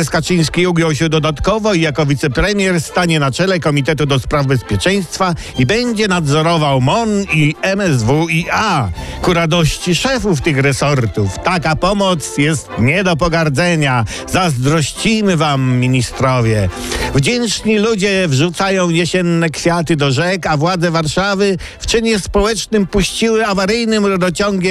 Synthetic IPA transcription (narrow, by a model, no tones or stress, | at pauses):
skat͡ʂɨj̃skʲiuɡjɔw̃ɕ̬ɛd̪ɔd̪at̪kɔvɔijakɔvʲit̪sɛpɾɛmʲjɛɾst̪aɲɛnat͡ʂɛlɛkɔmʲit̪̬ɛt̪ud̪ɔspɾavbɛspʲjɛt͡ʂɛj̃st̪fa | ibɛɲd͡ʑɛnad̪zɔɾɔvawmɔniɛmɛzvuiakuɾad̪ɔɕt͡ɕiʂɛfuft̪ɘxɾɛsɔɾt̪uft̪akapɔmɔt̪sjɛst̪ɲɛd̪ɔp̬ɔɡaɾd̪zɛɲa | zazd̪ɾɔɕt͡ɕijmɘvamːʲiɲist̪ɾɔvʲjɛ | vd͡ʑɛnt͡ʂɲilud͡ʑɛvʐut̪sajɔ̃w̃jɛɕɛnːɛkfʲjat̪ɘd̪ɔʐɛkavwad̪zɛvaɾʂavɘ | ft͡ʂɘɲɛspɔwɛt͡ʂnɘmpuɕt͡ɕiwɘavaɾɘjnɘmɾɔd̪ɔt͡ɕɔŋɡʲjɛ